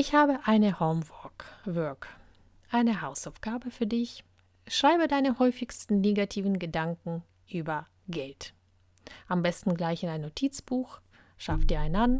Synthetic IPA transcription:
ʔɪçhaːbəʔaɪnəhɔʊmvɔkvœɐk | ʔaɪnəhaʊsaʊfɡ̥aːbəfyːɐdɪç | ʃʁ̥aɪbədaɪnəhɔʏfɪçstn̩neːɡatʰiːvn̩ɡədaŋkŋ̩ | ʔyːbɐ | ɡɛlt | ʔambɛstn̩ɡlaɪçɪnaɪnːotʰiːt͡sb̥uːx | ʃafd̥iːɐaɪnan

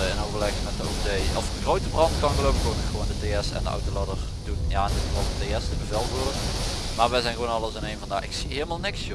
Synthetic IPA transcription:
əɪnowvəɹlɛxmɛt̚dəotejɔfəɣrowtəbrɑntkɑnɣəlowbəkoːnɪxəʋoːndəteɛsɛ̰ndəʔʌ̰wtoladəɹ | d̥unjaɛndɪtʋɑəteɛsdəbəvɛlˠvoːlək | maːɹʋɛjzɛjnɣəʋonɑlˠəsɪnejnvɑndaːɪ̰ksiɦeːləmaːlˠnɪks

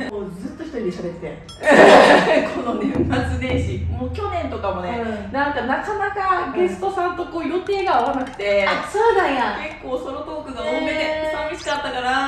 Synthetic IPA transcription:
moːd͡zɨt̪ːo̞çi̥t̪oɾʲid̪eɕod̪esne | kʰo̞nonẽmːat͡sɨd̪ẽ̞ɰ̃ɕimoːkʲo̞nẽ̞nt̪o̞kamo̞nenãŋkanakanakaɡe̞sɨ̥t̪o̞sãnt̪o̞ko̞ːjo̞t̪e̞ːɡaːβanakɯ̟̥t̪e̞asoːd̪ajãke̞kːo̞ːsoɾot̪oːkɯ̟ɡaoeesamʲiɕi̥kat̪ːakaɾa

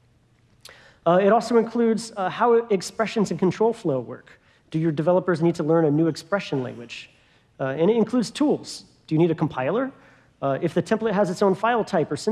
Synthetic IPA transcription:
ɪɾɔlˠsoʊɨ̃nkʰl̥ʉdz̥haʊɨkspɹɛʃɨ̃nzɨ̃n̩kʰn̩tʰɹ̥oʊlˠfloʊwɜ̰˞k | d̥ɨjə˞dɨvɛlˠəpə˞znid̚tʰəlɜ̃˞nɨnʉɨkspɹɛʃɨ̃nlæ̰̃ŋɡwɨd̥d͡ʒ | ɨ̃ñɨɾɨ̃nkʰl̥ʉdz̥tʰulˠz̥ | d̥ɨjɨñiɾɨkʰm̩pʰaɪlˠə˞ | ɨfðɨtʰɛ̃mplˠət̚ɦəzɨtsõʊ̃nfaɪlˠtʰaɪpə˞sɪ̃

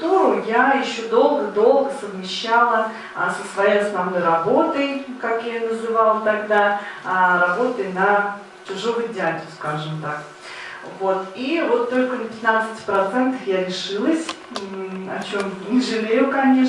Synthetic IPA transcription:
t̪uɾʊjajɪɕːod̪o̞lˠɡəd̪o̞lˠɡəsəvmʲɪɕːalˠə̰ | səsvɐjejɐsnɐvno̞jrɐbo̞t̪əjkakjanəzɨvɑlˠət̪ɐɡd̪a | rɐbo̞t̪əjnə | t͡ɕʊʐo̞vʊjdʲɪadʲɪʊskaʐɨmt̪ak | vo̞t̪ivo̞t̪ːo̞lʲkənəpʲɪt̪nat̪sɨ̥tʲpɾɐt̪sɛnt̪əfjaɾʲɪʂɨlˠəsʲ | ɐ̰t͡ɕomnʲɪʐɨlʲejʊkɐnʲe̞ʂ

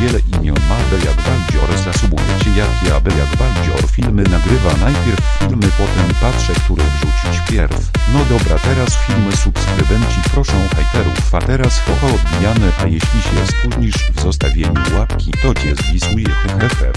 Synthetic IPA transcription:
vʲjɛlɛʔimʲjɔnmab̪ɛjaɡbald͡ʑɔɾzzːasumujɛt͡ɕɛjakʲiabɛjaɡbald͡ʑɔɾfʲilmɘnaɡɾɘvanajpʲjɛɾfːʲilmɘpɔt̪ɛmpafʂɛkt̪uɾɛʐut͡ɕit͡ɕpʲjɛɾfnɔd̪ɔbɾat̪ɛɾasfʲilmɘsupskɾɘd̪ɛnt͡ɕipɾɔʂɔ̃w̃ajt̪ɛɾufat̪ɛɾaskɔtɔɔd̪̚bʲijanɛʔajeɕlʲiɕɛɛst̪ɾud̪ɲiʂvzɔst̪avʲjeɲuwat̪kʲit̪ɔd͡ʑɛzvʲisujɛtɛxɛfɛ̰

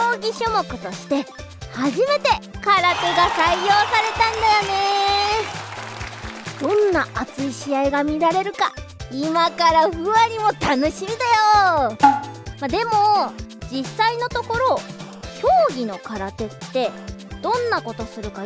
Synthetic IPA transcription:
o̞ːɡʲiɕomo̞kɯ̟t̪o̞ɕi̥t̪e̞ | haʑime̞t̪e̞kaɾat̪e̞ɡasaijo̞ːsaɾe̞t̪ãnd̪ajo̞ne̞ | d̪̥õ̞nːaʔat͡sɨiɕiaiɡamʲiɾaɾe̞ɾɯ̟kaimakaɾaɸɯ̟βaɾʲimo̞t̪ano̞ɕimʲid̪ajo | mad̪e̞mo̞d͡ʑisːaino̞t̪o̞ko̞ɾo̞ | ço̞ːɡʲino̞kaɾat̪e̞t̪ːe̞d̪̥õ̞nːako̞t̪o̞sɨɾɯ̟ka

